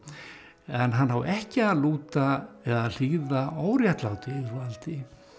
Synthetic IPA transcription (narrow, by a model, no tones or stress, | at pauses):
ɛnɦanɦawɛhcɪaðluːt̪aɛðal̥iɣðaʔaːwɾjaht̪laːwt̪ɪɪðɾvalt̪ɪ